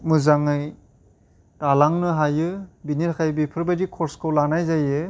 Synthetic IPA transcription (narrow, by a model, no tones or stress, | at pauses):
mɯzaŋɯj | talaŋnɯɦajɯbiniɾakʰajbipʰɯɾbajdikʰɔɾskʰɯwlanajzajɯ